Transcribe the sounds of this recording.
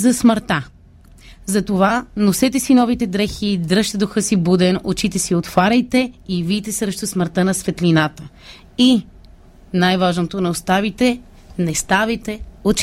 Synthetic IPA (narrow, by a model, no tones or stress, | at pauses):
zɐsməɾt̪a | zɐt̪ovanosɛt̪ɛsinɔvit̪ɛd̪ɾɛxid̪ɾɤʃt̪ɛd̪oxɤsibud̪ɛnot͡ʃit̪ɛsiot̪faɾʲɐjt̪ɛivit̪ɛsɾɛʃt̪osməɾt̪ənɐsvɛt̪linat̪ə | i | najvaʒnot̪onɛost̪avit̪ɛ | nɛst̪avit̪ɛot͡ʃ